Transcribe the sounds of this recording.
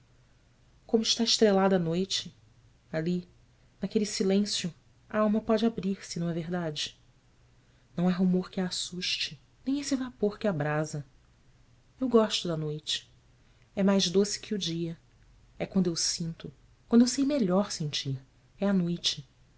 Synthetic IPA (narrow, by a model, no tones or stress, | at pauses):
kõmʊɪʃt̪aɪʃt̪ɾelad̪ɐanojt͡ʃɪ | ali | nakelɪsilẽsjʊ | a̰awmɐpɔd͡ʒɪabɾiɾsɪnɐ̃w̃ɛveɦd̪ad͡ʒɪ | nɐ̃w̃ɛɦumoɾkɪaːsuʃt͡ʃɪ | nẽj̃esɪvapoɾkɪabɾazɐ | ewɡɔʃt̪ʊd̪ɐnojt͡ʃɪ̥ | ɛmajzd̪osɪ̥kʰɪud͡ʒiɐ | ɛkwɐ̃nd̪ʊewsĩnt̪ʊ | kwɐ̃nd̪ʊewsejmeʎɔɾsẽnt͡ʃiɾ | ɛɐnojt͡ʃɪ̥